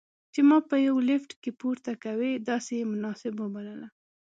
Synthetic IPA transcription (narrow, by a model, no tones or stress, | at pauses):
t͡ʃemɑpəjawlɪfʈkepuɾt̪akawed̪ɑsejemʊnɑsɪbwəbaləla